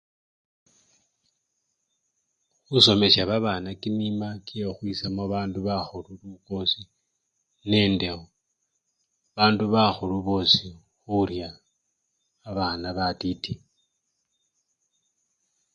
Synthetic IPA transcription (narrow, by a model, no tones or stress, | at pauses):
xuso̞me̞saβaβaːnakinimakiexwisamoβaːnduβaxululuko̞si | ne̞ːndexo | βaːnduβaxuluβo̞ːsi | xuɾja | βaːnaβatiti